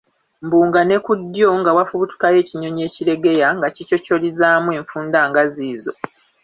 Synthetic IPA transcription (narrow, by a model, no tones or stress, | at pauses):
mbuːŋɡane̞kudːjo̞ŋɡawafuβutu̥kaje̞ːciɲoɲe̞ːciɾe̞ɡe̞jaŋɡacico̞co̞lizaːmweːɱfuːndaːŋɡaziːzo̞̰